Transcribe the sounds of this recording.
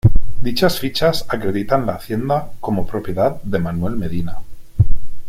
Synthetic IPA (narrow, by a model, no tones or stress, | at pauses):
d̪it͡ʃasfit͡ʃasakɾe̞ðit̪anlaːθje̞nd̪ako̞mopɾo̞pje̞ðaðd̪e̞manwe̞lme̞ðina